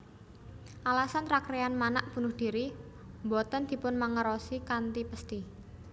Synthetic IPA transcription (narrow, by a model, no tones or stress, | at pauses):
ʔalasanrakɾeanmanaʔ̚b̥ṳnʊhd̪̥i̤ɾi | mbɔt̪ɔnd̪̥i̤pʊnmaŋəɾɔsikant̪ipəst̪i